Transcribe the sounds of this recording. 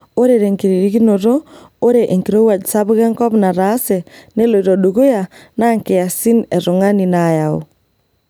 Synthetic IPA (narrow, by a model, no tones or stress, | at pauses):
oɾeɾeŋkiɾiɾiɣinoɾoː | ɾeʔeŋkiɾowad͡ʒisaβuɣɛŋkɔpnaɾaːsɛneloiɾɔɗoɣojanaŋkeasinɛɾoŋaninajao̰